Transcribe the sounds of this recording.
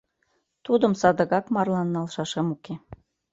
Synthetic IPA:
t̪ud̪əmsɑd̪əɣɑkmɑrlɑnːɑlʃɑʃemuke

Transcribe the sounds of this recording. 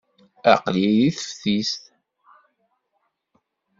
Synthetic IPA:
æ̰qliðiθəfθist̪

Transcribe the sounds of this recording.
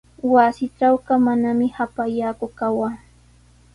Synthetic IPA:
wasɪʈ͡ʂawɢɑmanamɪhapajaːkʊkawaː

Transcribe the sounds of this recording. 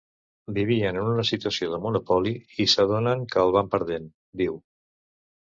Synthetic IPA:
biβ̞iənənunəsit̪uəsioðəmunupɔliisəð̞onəŋkəːlˠβ̞ampəɾð̞en | d̪iw

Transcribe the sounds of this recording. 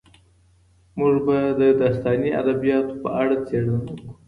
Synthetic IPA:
muʐbad̪əd̪ɑst̪ɑnia̰d̪abijɑt̪o̥pəʔaɽat͡seɽanku̥

